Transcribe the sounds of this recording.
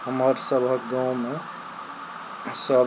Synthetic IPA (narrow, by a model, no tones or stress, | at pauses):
həməɾsəbʱəkɡãw̃me | səb